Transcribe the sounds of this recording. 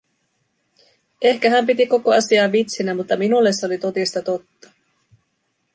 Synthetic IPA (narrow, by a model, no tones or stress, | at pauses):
ʔe̞hkæɦæmpit̪iko̞ko̞ɑsiɑːit̪sinæmut̪ːɑminulːe̞sːo̞lit̪o̞t̪ist̪ɑt̪o̞t̪ːɑ̥